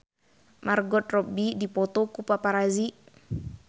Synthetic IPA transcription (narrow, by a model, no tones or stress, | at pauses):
mʔarɡɔt̪̚rɔbidipɔt̪ɔkupapaɾazi